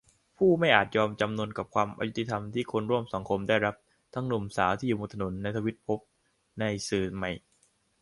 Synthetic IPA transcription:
pʰuː˥˩ma˥˩jʔaː˨˩t̪̚jɔː˧mt͡ɕa˧mnu˧ənka˨˩p̚kʰwaː˧mʔa̰˧ju˦˥t̪i˧t̪ʰa˧mt̪ʰiː˥˩kʰo˧nɾu˥˩əmsa˩˦ŋkʰo˧mdaː˥˩jɾa˦˥p̚ | t̪ʰa˦˥ŋnu˨˩msaː˩˦wt̪ʰiː˥˩˨uː˨˩moː˧t̪ʰa˧no˩˦nːa˧jt̪ʰa˧wi˦˥t̪̚pʰo˦˥p̚ | na˧jsɯː˨˩ma˦˥˩j

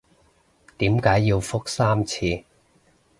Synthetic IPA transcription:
t̪iː˨˥mkaː˨˥jːiː˧wfʊ˥k̚saː˥mt͡sʰiː˧

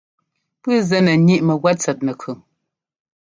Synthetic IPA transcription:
pɨ˦zɛ˦nə˨ɲi˦ʔmə˨ɣwa˦t͡sɛ˨t̚nə˨kʰʉ˨

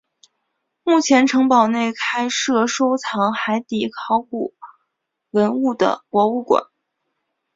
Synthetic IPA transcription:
mu˥˩t͡ɕʰjɛ˧˥nʈ͡ʂʰɤ˧˥ŋpɑ˨˩ʊne˥˩ɪkʰa˥ɪʂɤ˥˩ʂo˥ʊt͡sʰɑ˧˥ŋxa˧˥ɪt̪i˨˩kʰɑ˥˩ʊku˨˩ | wə˧˥nu˥˩d̪ə̰˩kwɔ˧˥u˥˩kwa̰˨˩˦n

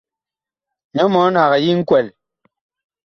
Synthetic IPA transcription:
ɲɔ˦mɔ˨˦n̩˦ha˨ɣɛ˨ji˦ŋ̩˦kwɛ˨l

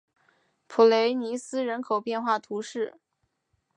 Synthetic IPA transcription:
pʰu˨˩le˧˥ɪni˧˥sɹ̩˥ɻə˧˥nkʰo˨˩ʊpjɛ˥˧nxwa˥˩t̪ʰu˧˥ʂɻ̩˥˩

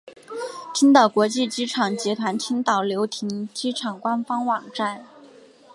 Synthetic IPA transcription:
t̪ʰi˥nt̪ɑ˨˩ʊkwɔ˧˥t͡ɕi˥˩t͡ɕi˥ʈ͡ʂʰɑ˨˩ŋt͡ɕjɛ˧˥t̪ʰwa˧˥nt̪ʰi˥nt̪ɑ˨˩ʊljo˧˥ʊt̪ʰi˧˥ŋt͡ɕi˥ʈ͡ʂʰɑ˨˩ŋkwa˥nfɑ˥ŋwɑ˨˩ŋʈ͡ʂa˥˩n

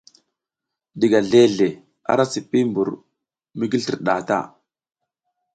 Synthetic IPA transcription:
di˨ɡa˨ɮe˦ɮe˨ | a̰˦ɾa˦si˨pːi˦mbu˨ɾ | mi˦ɡi˦li˨ɾɗa˨ta̰˦

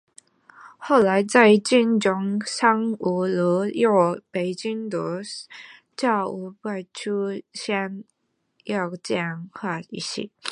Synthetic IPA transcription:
xo˥˩ʊla˧˥ɪt͡sa˥˧ɪt͡ɕi˥˩nʈ͡ʂʊ˧˥ŋsa˥ŋu˧˩lə˧˥jɑ˥˧˩ʊpe˨˩ɪt͡ɕi˥ŋt̪ə˧˦ | t͡ɕjɑ˥˩ʊu˧˥pa˥˩ɪʈ͡ʂʰu˥ɕjɛ˥n | jɑ˥˩ʊt͡ɕjɛ˥˧nxʰwa˥˩i˥˧˩ɕḭ˥˩

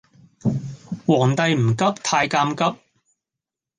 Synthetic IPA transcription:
wɔː˨˩ŋt̪ɐ˨jm̩˨˩kɐ˥p̚t̪ʰaː˧jkaː˧mkɐ˥p̚

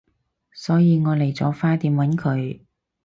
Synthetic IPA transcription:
sɔː˨˥jiː˨˧ŋɔː˨˧le˨˩jt͡sɔː˨˥faː˥t̪iː˨˧mwɐ˨˥nkʰɵ˨˧ɥ

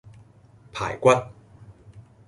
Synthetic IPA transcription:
pʰa̰ː˨˩˦jkwa˦˥t̪̚

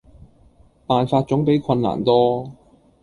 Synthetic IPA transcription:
paː˨nfaː˧t̚t͡ʃʊ˨˥ŋpe˨˥jkʰɐ˧nːa̰ː˨˩nt̪ɔː˥

